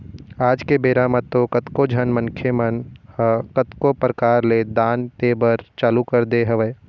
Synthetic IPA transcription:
aːd͡ʒkebeːɾaːmət̪ːokɐt̪kod͡ʒʱɐnmɐ̃ŋkʰjemən | kət̪kopɾəkaːɾled̪aːnt̪eːbəɾt͡ʃaːlukɐɾd̪eɦɐʋəː

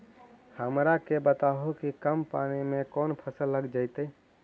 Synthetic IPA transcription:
həmɾakebət̪aɦokikəmpanimẽkoːnpʰəsəlːəɡd͡ʒaɪt̪əi

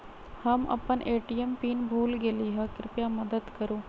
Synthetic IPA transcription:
həmɐ̰pənʔeːʈijempiːnbʱuːlɡeliːɦəkɾɪpjaməd̪əd̪kəɾũː

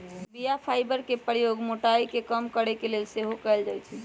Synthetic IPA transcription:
bijapʰajbəɾkepəɾijoɡmoʈaikekəmkəɾɛkelelseɦokɛjld͡ʒajt͡ʃʰɛ

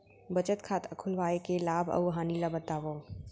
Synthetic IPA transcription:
bət͡ʃət̪kʰaːt̪əkʰʊlʋaːekelaːbʱɐ̰ɦaːnilabət̪aːʋoː

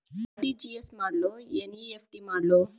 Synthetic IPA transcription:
ɖid͡ʒiesmaːɾloːeniefʈiːmaːɾloː

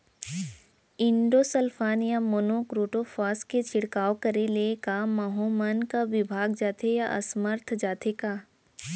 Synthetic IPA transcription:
ɪ̃ɳɖoːsəlfʰaːnjamoːnokɾoːʈofʰaːsket͡ʃʰɪɽkaːwkɐɾelekamaɦomənkaʋɪbʱaːɡd͡ʒaːt̪ʰejaʔɐ̰sməɾt̪ʰd͡ʒaːt̪ʰekaː

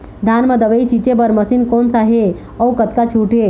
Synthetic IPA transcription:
d̪ʱaːnməd̪əʋəit͡ʃit͡ʃebəɾməsinkonsaɦe | ɔwkət̪kat͡ʃʰuːʈʰe

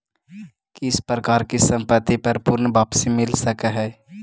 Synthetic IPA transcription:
kiɪspɾəkaːɾkisə̃mpət̪ːipəɾpʊɾnbaːpsimɪlsəkɦɛː

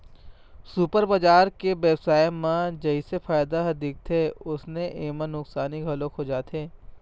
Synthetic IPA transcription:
supəɾbad͡ʒaːɾkebeːbsaːemãd͡ʒɐɪsefaːjd̪aɦɐd̪iːk̚t̪ʰeʊsneʔeːmə̃nʊksaːniɡʱɐlõkʰod͡ʒaːt̪ʰeː

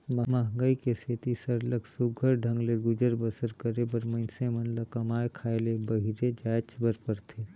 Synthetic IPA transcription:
mɐməɦŋɡəikeseːt̪isəɾləksʊɡʱəɾɖʱə̃ŋɡleɡʊd͡ʒəɾbəsəɾkəɾebəɾmɐnsemənlakɐmaːekʰaːelebɐɦiɾed͡ʒaːt͡ʃbəɾpəɾt̪ʰeː

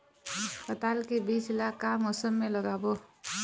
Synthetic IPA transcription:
spət̪aːlkebiːt͡ʃlakːamɔːsəmːẽləɡaːbo

